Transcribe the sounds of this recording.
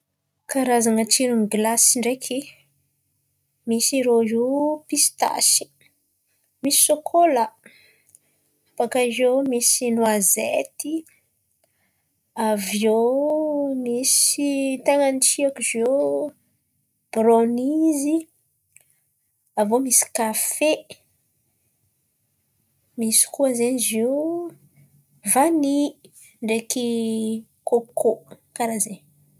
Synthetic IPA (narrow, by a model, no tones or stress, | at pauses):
kaɾazaŋət͡ʃiɾuniɡlasiɳɖ͡ʐekʰi | misiɾozepist̪a̰si̥ | misi̥sokʰolə | apakaizomisinuazet̪i | avio | misit̪aŋanit͡ʃiakuzo | b̥ɾonizi | avomisi̥kafe | misi̥kuazenizo | vani | ɳɖ͡ʐeki | kokʰo | kaɾaze